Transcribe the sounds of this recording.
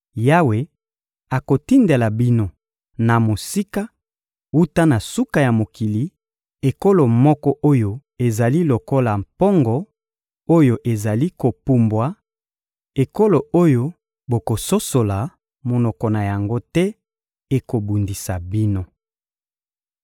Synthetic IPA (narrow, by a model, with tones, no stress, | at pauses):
ja˦we˨ | a˨ko˨ti˦nde˨la˨bi˦no˦ | na˨mo˨si˦ka˦ | u˦ta˦na˨su˦ka˨ja˨mo˨ki˨li˨ | e˨ko˦lo˨mɔ˦kɔ˦ʔo˦jo˦e˨za˨li˦lo˨ko˦la˨mpɔ˦ŋɡɔ˦ | o˦jo˨ʔe˨za˨li˦ko˨pu˨mbwa˨˦ | e˨ko˦lo˨o˦jo˦ | bo˨ko˨so˦so˨la˨ | mo˨nɔ˨kɔ˨na˨ja˨ŋɡo˦tɛ˦ | e˨ko˨bu˨ndi˨sa˨bi˦no˦